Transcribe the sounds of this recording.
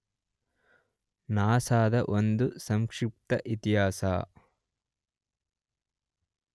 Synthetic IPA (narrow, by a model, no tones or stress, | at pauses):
naːsaːd̪ɐʔond̪usɐŋkʂɪp̚t̪ɐʔit̪iɦaːsa̰ː